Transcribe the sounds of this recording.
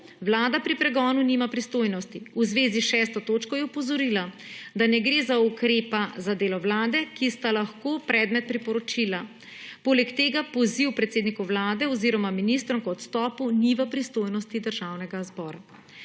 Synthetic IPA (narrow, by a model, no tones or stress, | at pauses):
ʋlaːd̪apɾipɾɛɡɔːnuniːmapɾist̪oːjnɔst̪iuzʋeːziʃɛːst̪ɔt̪oːt͡ʃkɔjɛɔpɔzɔɾilad̪anɛɡɾeːzaukɾeːpazad̪eːlɔʋlaːd̪ɛkist̪alaxkoːpɾɛːd̪mɛt̪̚pɾipɔɾɔt͡ʃila | poːlɛkt̪eːɡapɔziwpɾɛt̪seːd̪nikuʋlaːd̪ɛɔziːɾɔmaminist̪ɾɔmkɔt̪st̪ɔːpuniʋəpɾist̪oːjnɔst̪id̪əɾʒawnɛɡazbɔːɾa